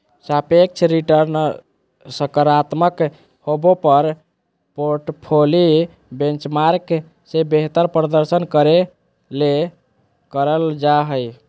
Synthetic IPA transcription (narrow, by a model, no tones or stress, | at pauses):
sapek̚t͡ʃʰɾiʈəɾn | səkəɾat̪mək | hobopəɾ | poɾʈpʰoli | bẽnt͡ʃmaɾk | sebeɦt̪əɾpɾəd̪əɾsənkəɾe | le | kəɾəld͡ʒaɦəj